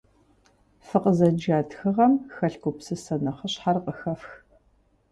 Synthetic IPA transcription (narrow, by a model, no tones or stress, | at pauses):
fɨqʼəzɐd͡ʒaːtxɨʁɐmxɐɬkʷʊpsɨsɐnɐχəɕħarqʼəxɐfx